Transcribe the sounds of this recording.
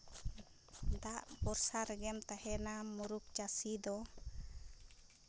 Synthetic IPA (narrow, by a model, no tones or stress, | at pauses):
d̪aʔbɔɾsaɾɛɡɛmt̪ahɛnamuɾuk̚t͡ʃasid̪ɔ